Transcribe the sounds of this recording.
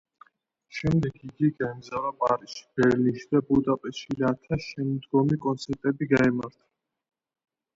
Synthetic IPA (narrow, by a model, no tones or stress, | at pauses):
ʃɛmd̪ɛkʰiɡiɡaɛmzavapʼaɾiʃi̥b̥ɛɾlinʃid̪̥abud̪apʼɛʃilat̪ʰaʃɛmd̪ɡɔmikʼɔnt̪sʰɛɾt̪ʼɛbiɡaɛmaɾt̪ʰḁ